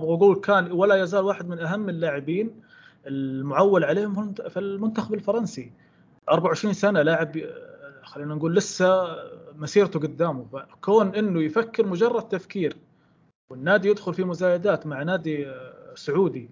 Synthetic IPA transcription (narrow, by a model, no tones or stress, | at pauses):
bɣaɡuːlkʰaːnwalajazaːlwaːħɪd̪mɪnʔaɦamːɪlːaːʕɪbiːn | ɪlmʊʕawːalʕaleːhʊmffilmʊnt̪axabɪlfɑɾˤɑnsi | ʔɑɾˤbaʕʊʕɪʃɾiːnsanalaːʕɪb | xalːiːnanɡuːlːɪsːamasiːɾt̪uɡʊd̪ːaːmufakoːnʔɪnːʊjfakːɪɾmʊd͡ʒɑrˤːɑd̪̚t̪afkiːɾ | wɪnːaːd̪ijɪd̪xʊlfimʊzaːjad̪aːt̪maʕnaːd̪isʊʕuːd̪i